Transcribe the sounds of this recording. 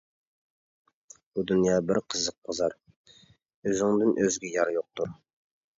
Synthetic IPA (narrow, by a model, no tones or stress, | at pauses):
bud̪unjɑbɪɾqʰəzəq̚bɑzɑɾ | øzɪŋd̪ɪnʔøzɡʲɛjɑɾjoq̚t̪uɾ